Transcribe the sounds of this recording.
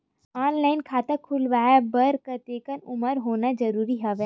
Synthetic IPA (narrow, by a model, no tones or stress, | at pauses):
aːnlaːɪnkʰaːt̪akʰʊlʋaːjabɐɾkɐt̪eːkənʊməɾɦoːnazɐɾuːɾiɦɛʋɛː